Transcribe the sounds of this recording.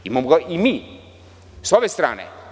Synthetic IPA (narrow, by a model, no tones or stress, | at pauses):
imamoɡaʔimiː | sobest̪ɾa̰ːnḛ